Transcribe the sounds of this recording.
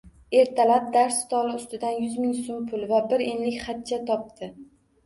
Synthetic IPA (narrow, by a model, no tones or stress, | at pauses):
e̞ɾt̪ʰalap̚d̪aɾst̪ʰɒlˠɪʊst̪ɪd̪anjʊzmɪŋsompʰʊlˠvabɪɾenlɪkʲχat̪̚t͡ʃʰat̪ʰɒp̚t̪ʰɪ